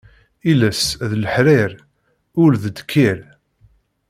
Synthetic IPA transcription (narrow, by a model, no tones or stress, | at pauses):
ilæsðləħɾɪɾ | ʊɾðəd̪kʰːiɾ